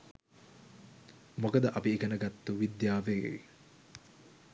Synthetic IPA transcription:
mokəd̪əʔɐpiːkənəɡat̪ːuʋid̪jaːʋeḛ

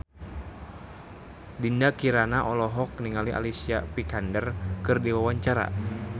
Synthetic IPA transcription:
dindakiɾanaʔɔlɔɦɔk̚niŋaliʔa̰lisiapikandərkɨrdiwawaɲt͡ʃaɾa̰

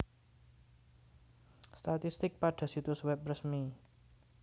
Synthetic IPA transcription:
st̪at̪ist̪ɪk̚paɖ̥a̤sit̪ʊswɛp̚rəsmi

